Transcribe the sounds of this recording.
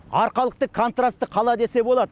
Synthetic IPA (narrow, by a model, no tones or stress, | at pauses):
ɑɾqɑlˠəq̚t̪əkʰo̞nt̪rast̪əqʰɑlˠɑd̪e̞se̞bo̞lˠɑd̪ə